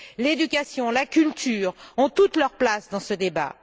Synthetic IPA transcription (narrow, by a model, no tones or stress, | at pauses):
led̪ykʲasjɔ̃lakʲylt̪yːʁɔ̃t̪ut̪lœʁplasd̪ɑ̃səd̪eba̰